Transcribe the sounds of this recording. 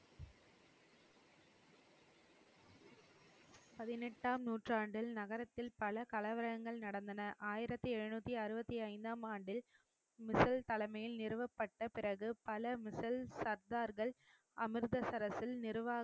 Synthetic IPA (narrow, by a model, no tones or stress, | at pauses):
pɐðɪnɛʈːaːmnuːʈraːɳɖɪlnɐɣɐɾɐt̪ːɪlpɐlɐkɐlɐʋɐɾɐɣɐŋɡɐɭnɐɽɐnd̪ɐnɐʔaːjɪɾɐt̪ːɯɛɻɯnuːt̪ːiɐɾɯbɐt̪ːiɐɪnd̪aːmaːɳɖɪl | mɪsɐlt̪ɐlɐɪmɐjɪlnɪɾɯʋɐpːɐʈːɐpɪɾɐɣɯpɐlɐmɪsɐlsɐɾd̪aːɾɣɐɭ | ʔɐmɪɾðɐsɐɾɐsɪlnɪɾɯʋaː